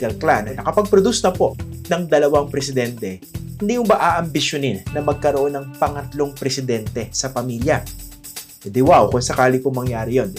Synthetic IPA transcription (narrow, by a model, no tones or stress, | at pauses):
ɐlklanɐnɐkɐpɐɡ̚pɾod̪usnɐpo̞ʔnɐŋd̪ɐlɐwaŋpɾɛsɪd̪ɛnt̪ɛ | hɪnd̪imʊbaʔaːʔɐmbɪʃjoninːɐmɐɡ̚kɐɾoʔo̞nːɐŋpɐŋɐt̪lo̞ŋpɾɛsɪd̪ɛnt̪ɛsɐpɐmiljɐ | ɛd̪ɪwawkʊŋsɐkaːlipʊŋmɐŋjaːɾɪjon